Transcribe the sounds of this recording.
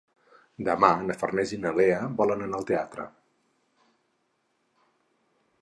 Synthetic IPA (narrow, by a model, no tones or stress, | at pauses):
d̪əmanəfərnɛzinəleəbɔlənənaəlˠt̪eat̪ɾə̰